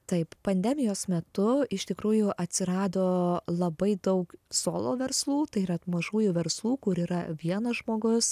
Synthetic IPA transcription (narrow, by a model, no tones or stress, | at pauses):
t̪ɐɪppɐnʲd̪ʲɛmʲɪjoːsmʲɛt̪ʊɪʃt̪ʲɪkɾuːjʊʔɐt̪ʲsʲɪɾɑːd̪oːlˠɐbɐɪd̪ɐʊksoːlˠo̰ːʋʲɛɾslˠuːt̪ɐɪɾɐt̪mɐʒuːjʊʋʲɛɾslˠuːkʊɾiːɾɐʋʲiɛnɐʒmoːɡʊs